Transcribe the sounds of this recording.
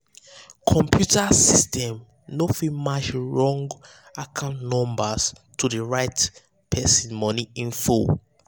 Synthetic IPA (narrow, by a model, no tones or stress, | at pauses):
kʰɔ̃mpʰjutasistɛ̃m | nofimat͡ʃɹɔ̃ŋɡ | akʰãʊ̃ntnɔ̃mbas | tʰudəɹaɪt | pʰɛsĩnmɔniĩnfo